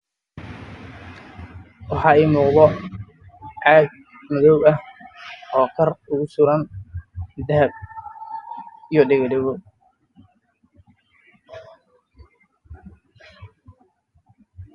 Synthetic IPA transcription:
wɑħɑːɛːjmuːqbɔ | ʕɑːd̪̚ | mɐðɔwɐh | ɔːkʰɐrʊɣʊsʊɾɐn | d̪ɐɐb | ijɔɖɛɣɐɖɛɣɔ

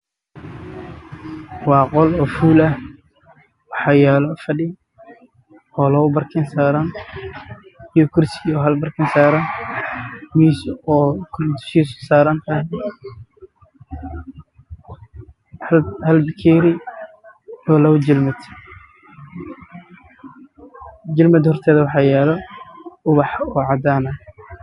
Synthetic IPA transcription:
wɑːqɔlɔːfuːlɐh | wɑħɑːjɛːlɔfɐɖɪ | ɔːlɔʊbɐrkʰɐnsaːɾɐn | ijɔkʰʊrsɪɡiɔːɦɐlbɐrkʰɐnsaːɾɐn | miʃɔːkʰʊd̪ʊ̥ʃiːssaːɾɐnt̪ʰɐh | hhɐlbɪkʰɛːɾɪ | ɔːlɐwʊd͡ʒɪlmɐd̪ | d͡ʒɪlmɐd̪hɔrt̪ʰɛːðɐwɑħɑːjɛːlɔʊβɑħɔːʕɑd̪aːnɐ

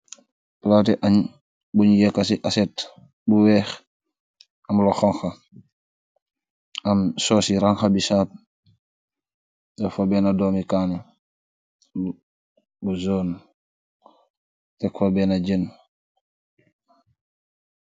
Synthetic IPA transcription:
platɛʔaɲ | buɲjɛkːasiʔasɛt | buwɛːx | ɐmloxɔŋxa | ɐmsɔːsiɾaŋxabisaːp̚ | tɛfobɛːnadɔːmikaːni | buzoːn | tɛkfabɛnaɟen

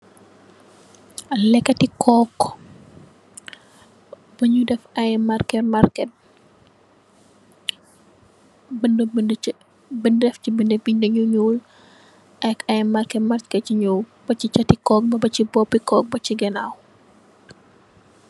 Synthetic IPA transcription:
lɛkːɐtikʰɔkː | bɐɲudɛfɐjmarkɛtmarkɛt̚ | b | bəndɛfcibindɛbiɲdɐɲuɲul | ɐkɐjmarkɛmaɾkɛt͡ʃiɲu | bɐt͡ʃit͡ʃɐtikɔːk̚bɐbɐt͡ʃibɔbikɔk̚bɐt͡ʃiɡɛnaw

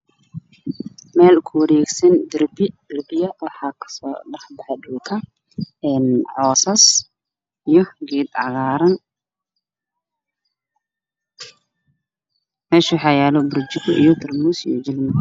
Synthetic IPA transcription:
mɛːlkʰʊwɐɾɛːɡsɐnd̪ɪrbɪrbɪjɐwɑħɑːkʰɐ̥sɔ̰ːɖɐħbɑħɛdʊːkʰɐ | ɛːnʕɔːsɐs | ijɞɡɛːd̪ʕɑɣaːɾɐn | mɛːʃʊħɑjaːlɔbʊɾd͡ʒɪkʊʔḭjɔt̪ʰɪrmusḭjɔd͡ʒɪlmɪ

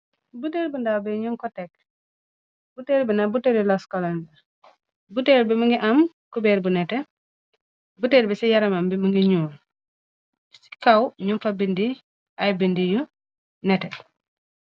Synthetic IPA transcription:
buteːɾbundawbɛɲuŋkɔtɛk̚ | buteɾbinabuteɾilɔskɔlanda | buteːlbimuŋɡiʔam | kubɛːɾbunɛtɛ | buteːɾbisijaɾɐmambimuŋɡiɲuːl | si̥kawɲumfabindi | ajbindiju | nɛtɛ

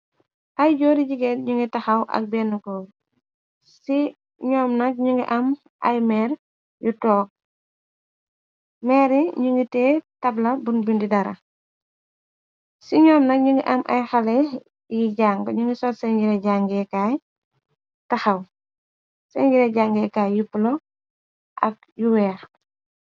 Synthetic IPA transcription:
ʔɐjɟɔːɾiɟiɡɛtɲuŋɡitɐxɐwʔɐ̰k̚bɛnːukɔ | si | ɲɔːmnɐk̚ɲuŋɡḭʔɐm | ʔɐ̰jmɛːɾ | jutɔːk̚ | mɛɾiɲuŋɡitɛːtɐblɐbunbindidɐɾɐ̰ | siɲɔːmnɐk̚ɲiŋɡiʔɐmʔɐ̰jxɐlɛ | jiɟaːŋɡɲuŋɡisɔtsɛɲɟiɾɛɟaːŋɡɛkaːj | tɐxɐw | sɛɲɟiɾɛɟaːŋɡɛkaːjjupulɔ | ʔɐ̰k̚ | juwɛːɾ

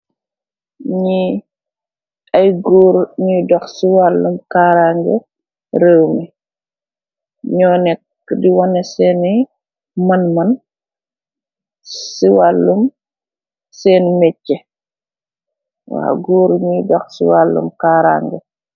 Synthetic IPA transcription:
ɲi | ajɡuːɾɲujdɔxsiwalːumkaɾaŋɡɛ̰ | ɾewmɛ | ɲɔnɛk̚ | diwɔnɛsɛnɛ | mɐnmɐn | siwalːum | sɛːnmɛcːɛ | wa̰ːɡuːɾɲujdɔxsḭwalːṵmkaːɾa̰ːŋɡɛ̰

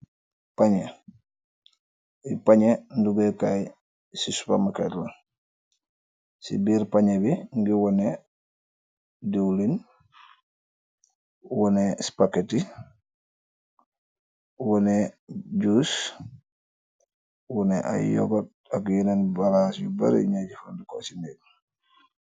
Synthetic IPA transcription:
paɲɛ | ipaɲɛnduɡɛkaj | sispa̰makɛtlɔn | sḭbiɾpaɲɛbiŋɡiwɔnɛ | dewlin | wɔnɛspaketi | wɔneɟus | wɔnɛʔa̰jɔ̰ɡɔt̚akjinanbalasjuba̰ɾ̰ɲaɟifandikɔsinɛɡ

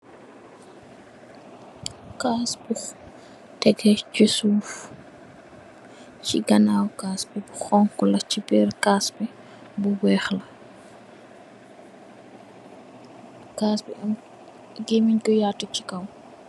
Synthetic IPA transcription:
kaːsbux | tɛɡɛcəsuːf | cḭɡɐnaːwkaːsbɛbuxɔŋkɔlɐt͡ʃibɛːrkaːsbɛ | buwɛːxlɐ | kaːsbɛɐm | ɡemiɲkɔjaːtːut͡ʃikɐw

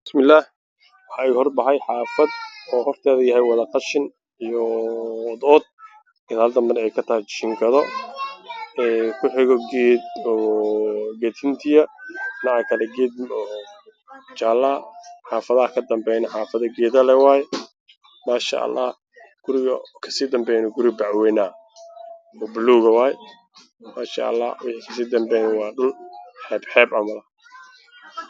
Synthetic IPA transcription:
b̥ɪsmɪlːaːh | wɑħɑːiːhɔrbɐħɛjħɑːfɐd̪ɔːhɔrt̪ʰaːðɐjɐɦɛjwɑðɐqɑʃɪn | ijɔ | d̪ɔːd̪̚ | ɪnɐld̪ɐmbɐnɛjkʰɐt̪ʰɐhɛjʃɪŋkʰɐðɔ | ɛkʰʊħɪɣɔɡɛːd̪ɔː | ɡɛːt̪ʰɪnt̪ʰɪjɐnɑʕkʰɐlɛɡɛːd̪ɔ | t͡ʃaːlːɐħaːfɐðɐɐkʰɐd̪ɐmbɛjnɐħaːfɐðɐɡɛːðɐlɛwaːjɛ | maːʃa̰ʔɐ̰lːɑ̰ː | ɡ̥ʊɾɪɣɐkʰɐ̥siːd̪ɐmbɛːjnʊɡʊɾɪbaʕwɛːnaː | ɔbluːɣɐwɑːjɛ | maːʃa̰ʔɐ̰lːɑ̰ːwɪħiːkʰɐs̬iːd̪ɐmbɛjnɪwɑːɗʊnħɛːbħɛːbɐmɐlɐ

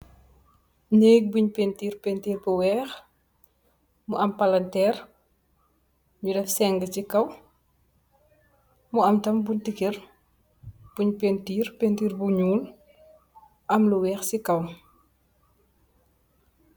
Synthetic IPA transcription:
ɲeːɡ̚buɲpentiːrpentiːrbuwɛːx | muʔɐmpɐlɐntɛːr | ɲudɛfsɛŋɡəcikɐw | muɐmtɐmbuntikir | b̥uɲpentiːrpentiːrbuɲuːl | ʔɐmluwɛːxsikɐw

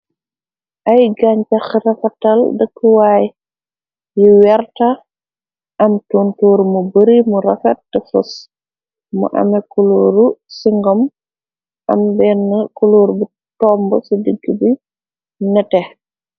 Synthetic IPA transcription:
ʔɐjɡaɲt͡ʃɐxɾɐfɐtɐldəkːəwaːj | jiwɛɾta | ʔɐmtuntuːɾmubəɾimuɾɐfɛt̚ːɛfus | mṵʔɐ̰mɛkuluɾusiŋɡɔm | ʔɐ̰mbɛnːkuluːɾbi | tɔmbɔ̰sidəɡːəbi | nɛtɛ

